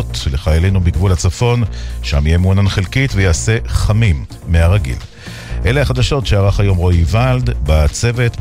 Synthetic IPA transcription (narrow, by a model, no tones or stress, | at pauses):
tleχajale̞nubiɡvulhat͡safo̞nʃamijemuananχelkit̪vejaːse̞χamimː | eaʁaɡḭl | ʔelehaχad̪aʃo̞tʃeaʁaχajo̞mʁo̞ivald̪bat͡se̞ve̞t̪